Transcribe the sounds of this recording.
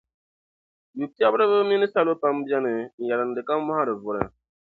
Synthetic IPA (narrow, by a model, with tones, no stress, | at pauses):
ju˨ti˦a˦bɾɨ˦βɨ˦mi˦nɨ˦sa˦lo˦pa˦m˦bi˦a˦nɨ˨n̩˨ja˨ɾɨ˨n̩˨dɨ˨ka˦m˦ma˦ha˦ɾɨ˨vʊ˨ɾɨ̰˨